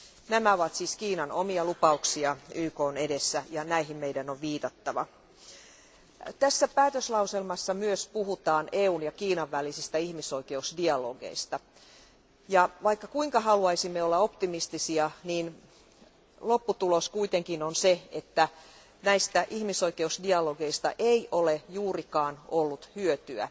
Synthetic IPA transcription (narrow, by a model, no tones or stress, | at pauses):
næmæoʋɑt̪siːskiːnɑnomiɑlupɑuksiɑyːkoːnedesːæjɑnæiɦimmeidænoʋʋiːt̪ɑt̪ːɑʋɑ̰ | t̪æsːæpæːt̪øslɑuselmɑsːɑmyøspuɦut̪ɑːneːuːnjɑkiːnɑʋːælisist̪æihmiso̞ike̞usdiɑlo̰ːɡḛist̪ɑ | jɑʋɑikːɑkuiŋkɑhɑluɑisimːeolːɑo̞pt̪imist̪isiɑniːn | lo̞pːut̪uloskuit̪eŋkinonseet̪ːæ | næist̪æʔihmiso̞ikeusdiɑloɡeist̪ɑ̰ʔeiʔolejuːrikɑːnolːut̪hyøt̪yæ̰